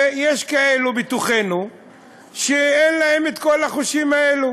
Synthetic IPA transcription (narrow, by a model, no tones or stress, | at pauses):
jeʃkae̞lubit̪uχenu | ʃeenlae̞met̪ko̞laχuʃimaelu